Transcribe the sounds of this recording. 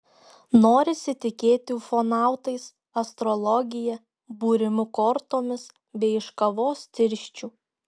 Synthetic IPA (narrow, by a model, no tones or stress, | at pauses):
noːɾʲɪsʲɪt̪ʲɪkʲeːt̪ʲɪfonɑˑʊt̪ɐɪs | ɐst̪ɾolˠɔɡʲɪjɛ | buːɾʲɪmʲʊkɔɾt̪oːmʲɪs | bʲɛɪɪʃkɐʋoːst̪ʲɪɾʲʃʲt͡ʃʲuː